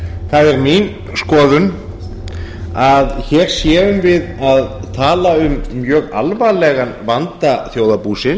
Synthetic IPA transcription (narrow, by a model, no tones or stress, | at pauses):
θaðɛɾmin | skɔːðʏn | aðçɛːɾ̥sjɛːʏmvɪðaðt̪ʰaːlaʏmːjœːɣa̰lvalɛɣanvant̪aθjoːwðapuːsɪ